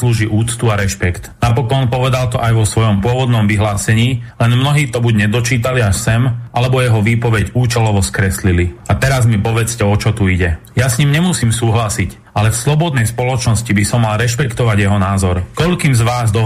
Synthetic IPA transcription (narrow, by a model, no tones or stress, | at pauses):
sluːʒiʔuːt͡st̪uaɾɛʃpɛkt̪napɔkɔnpɔʋɛd̪alt̪ɔʔajʋɔsʋɔjɔmpʊɔʋɔd̪nɔmʋiɦlaːsɛɲiːlɛnmnɔɦiːt̪ɔbuɟɲɛd̪ɔt͡ʃiːt̪aliaʃsɛmʔalɛbɔjɛɦɔʋiːpɔʋɛɟuːt͡ʃɛlɔʋɔskɾɛsliliat̪ɛɾazmipɔʋɛt͡scɛɔt͡ʃɔt̪uiɟɛjasɲimɲɛmusiːmsuːɦlasic | ʔalɛfslɔbɔd̪nɛjspɔlɔt͡ʃnɔscibisɔmːalɾɛʃpɛkt̪ɔʋaɟjɛɦɔnaːzɔɾkɔʎkiːmzʋaːzd̪ɔ